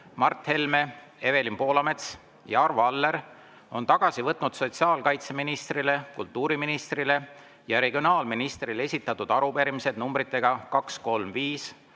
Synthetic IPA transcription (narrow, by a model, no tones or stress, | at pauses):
mɑrt̪he̞lme̞ | e̞ve̞limpo̞ːlɑme̞t̪s | jɑɑrvɑlːe̞ɾ | o̞̰nt̪ɑɡ̥ɑsivɤt̪ˑnud̪̥so̞t̪siɑːlkɑjt̪se̞minist̪rile̞kult̪ːˑuːɾiminist̪rile̞ | jɑɾe̞ɡ̥io̞nɑːlminist̪rile̞sʲit̪ːˑɑt̪ːˑud̪̥ɑɾupeɾimise̞d̪numbɾit̪ːˑe̞ɡ̥ɑkɑksko̞lmviːs